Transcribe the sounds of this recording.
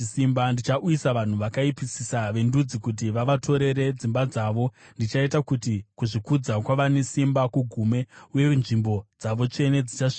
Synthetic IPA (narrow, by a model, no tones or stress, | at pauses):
simbandit͡ʃaʔujisaʋan̤uʋakaipisisaʋe̞ndud͡zikut̬iʋaʋatʰo̞ɾe̞ɾe̞d͡zimbad͡zaːʋo̞ndit͡ʃaitakutikuʐikud͡zakwaʋane̞simbakuɡʱume̞ujenʐimbo̞d͡zaʋo̞t͡ʃe̞ne̞d͡zit͡ʃaʂi̥ka